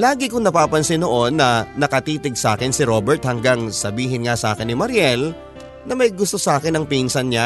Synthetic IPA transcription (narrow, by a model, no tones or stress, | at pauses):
laːɡɪkʊŋnɐpaːpɐnsɪnoʔonːɐnɐkɐt̪iːt̪ɪɡ̚sa̰ːkɪnsɪɾo̞bɛɹt̪̚hɐŋɡaŋsɐbiːɦɪnŋasʔa̰ːkɪnːɪmɐɾjɛl | nɐmɐjɡʊst̪o̞saːkɪnɐŋpinsɐnɲa